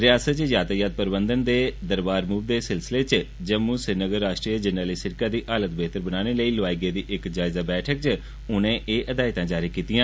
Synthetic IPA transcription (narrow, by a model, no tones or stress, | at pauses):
ɾɪjaːsət̪t͡ʃjaːt̪aːjaːt̪̚pəɾɪbənd̪ənd̪eːd̪əɾbaːɾmuːʋd̪eːsɪlsɪleːt͡ʃ | d͡ʒəmːũːsɪɾnəɡəɾːaːʃʈɾiːəd͡ʒənːaːliːsɪɾkaːd̪iːʔaːlət̪beːt̪əɾbənaːneːləiːlaːiɡeːd̪iːʔɪkd͡ʒaːɪzaːbɛːʈʰək̚t͡ʃ | ʊnẽːʔeːʔəd̪aːɪt̪ãːd͡ʒaːɾiːkiːt̪ɪjãː